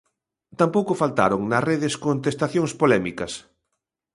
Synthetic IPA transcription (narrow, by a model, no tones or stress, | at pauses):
t̪ampowkʊfalt̪a̰ɾoŋnɐreðɪskont̪est̪aθjoŋspolɛmikɐs